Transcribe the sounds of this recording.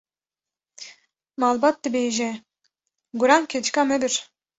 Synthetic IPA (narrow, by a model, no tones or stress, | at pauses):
malˠbat̪ːibejʒɛ | ɡuɾamkʲʰet͡ʃkamed̪iɾ̥